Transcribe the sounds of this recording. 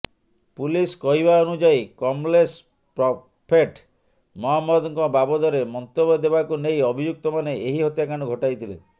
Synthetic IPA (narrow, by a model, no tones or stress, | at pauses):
puliskɔɦibaɔnud͡ʒajkɔmles | pɾɔ | pʰeʈ | mɔɦamːɔd̪ɔŋkɔbabɔd̪ɔɾemɔnt̪obɔd̪ebakunejɔbʱid͡ʒuk̚t̪ɔmaneeɦiɦɔt̪jakaɽ̃ɔɡʱɔʈajt̪ʰile